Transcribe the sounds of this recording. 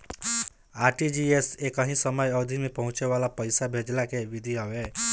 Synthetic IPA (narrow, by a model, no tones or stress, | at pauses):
aɾʈid͡ʒiesekəɦĩsəməjəd̪ʱimepəɦʊ̃t͡ʃeʋalapəɪsabʱed͡ʒlakeʋid̪ʱiɦəwe